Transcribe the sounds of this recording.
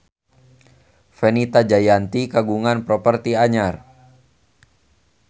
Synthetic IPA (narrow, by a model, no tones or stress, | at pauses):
fɛnit̪ad͡ʒajant̪ikaɡuŋanpɾɔpərt̪iaɲar